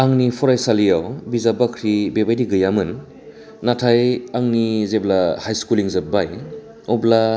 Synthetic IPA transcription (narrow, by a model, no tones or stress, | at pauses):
aŋnipʰɔɾajsalijawbizabakʰɾibebajdiɡɯjamɯn | natʰajaŋnizeblahajskuliŋzep̚baj | ɔbla